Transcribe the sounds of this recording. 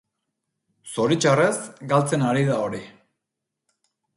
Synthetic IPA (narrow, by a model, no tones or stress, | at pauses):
soɾit͡ʃarezɡalt͡senaɾiðaoɾi